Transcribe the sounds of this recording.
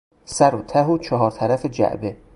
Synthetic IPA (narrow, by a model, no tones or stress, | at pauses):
sæɾot̪ʰæɦut͡ʃʰɒɦɒːɾt̪ʰæɾæfed͡ʒæ̰ʔbe